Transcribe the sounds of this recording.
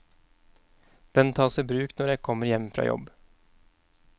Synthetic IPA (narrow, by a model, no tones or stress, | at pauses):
d̪̥ɛnt̪ʰɑːsɛbɾʉːknɔɾjæɡ̚kʰɔmːəɾjɛmfɾɑ̰ːjɔ̰b